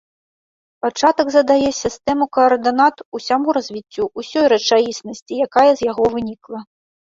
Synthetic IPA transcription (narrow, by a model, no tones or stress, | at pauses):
pat͡ʂat̪ɐɡzɐd̪ajɛsʲist̪ɛmukɐːrd̪ɨnat̪usʲamuɾɐzʲvʲit͡sʲːuʔusʲɔjɾɐt͡ʂajisnɐsʲt͡sʲijakajɐzʲjaɣɔvɨnʲiklˠɐ